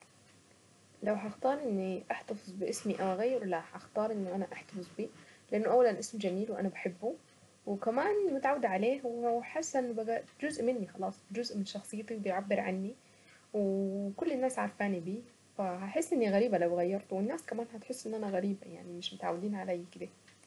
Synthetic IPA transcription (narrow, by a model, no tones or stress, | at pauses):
lawɦaʔxt̪ɑːɾˤʔɪnːiʔaħt̪ɑfɨzˤbɪʔɪsmiʔawʔaɣajːɪɾlahaʔxt̪ɑːɾˤʔɪnːʊʔanaʔaħt̪ɑfɨzˤbiːlɪʔanːʊʔawːalanʔɪsmd͡ʒamiːlwʔa̰nabaħɪbːu | wɪkamaːnmʊt̪aʕawːɪd̪ʕaleːhwħasːaʔɪnːbaɡad͡ʒʊzʔmɪnːixɑlɑːsˤd͡ʒʊzʔmɪnʃɑxsˤɨjːt̪iwbɪjʕabːɪɾʕa̰nːi | wkʊlːɪnːaːsʕaɾˤfaːnibiː | fahaħɪsːʔɪnːiɣaɾiːbalawɣajːɑɾˤt̪wɪnːaːskamaːnhat̪ħɪsːʔɪnːʔanaɣaɾiːba̰ja̰ʕnimɪʃmʊt̪ʕa̰wːɪd̪iːnʕalaːjkɪd̪a